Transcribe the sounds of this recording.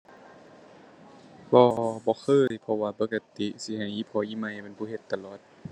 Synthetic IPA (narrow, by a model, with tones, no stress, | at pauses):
bɔː˧bɔː˧˦xʰɤː˧˥˨jpʰɔ˧waː˧pɤ˧˦kːa˧t̪i˧˦si˧˦ha˨˩jʔiː˧˨pʰɔː˧˦ʔiː˧˨ma˧˨jha˧˨pe˧˨npʰuː˧˩˨he˨˧˦t̪ːa˧˨lɔː˨˩t̪̚